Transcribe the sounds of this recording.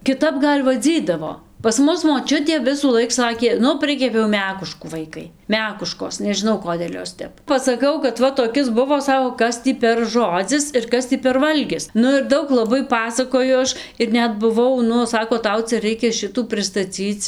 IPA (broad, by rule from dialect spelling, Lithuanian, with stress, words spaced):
kʲɪˈtɐp ˈɡɐlʲ ʋɐˈd͡zʲiːdɐʋoː pɐs ˈmʊs moːˈt͡ʃʲʊtʲeː ʋʲɪsuːˈlˠɐɪk ˈsɑːkʲeː ˈnʊ ˈpʲrʲɪkʲɛpʲɛʊ ˈmʲæːkʊʃkuː ˈʋɐɪkɐɪ ˈmʲæːkʊʃkoːs nʲɛʒʲɪˈnɐʊ ˈkoːdʲeːlʲ ˈjoːs ˈtʲɛp pɐsɐˈkɐʊ kɐt ˈʋɐ toːˈkʲɪs ˈbʊʋoː ˈsɑːkoː ˈkɐs tʲiː pʲɛr ˈʒoːd͡zʲɪs ɪr ˈkɐs tʲiː pʲɛr ˈʋɐlʲɡʲɪs ˈnʊ ɪr ˈdɐʊk lˠɐˈbɐɪ ˈpɑːsɐkoːjʊ ˈɐʃ ɪr ˈnʲɛt bʊˈʋɐʊ ˈnʊ ˈsɑːkoː ˈtɐʊ ˈt͡sʲɛ ˈrʲɛɪkʲɛ ˈʃʲɪtuː pʲrʲɪstɐˈt͡sʲiːt͡s